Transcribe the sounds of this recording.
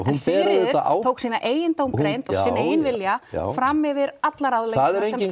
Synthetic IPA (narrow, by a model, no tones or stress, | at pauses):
hunpɛːɾaðɪaa̰ːw̪ʰoːwksiːnaʔeːjɪnt̪owmkɾejnt̪ɔɣsiːnaeːjɪnvɪlja̰fɾamːɪvɪɾat̪laɾawðlɛaðɛɾejcɪ